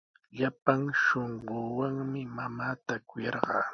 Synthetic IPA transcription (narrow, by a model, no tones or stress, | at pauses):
ʎapaŋʃoɴɢoːwaŋmɪmamaːt̪akʊjɑɾɢɑ̰ː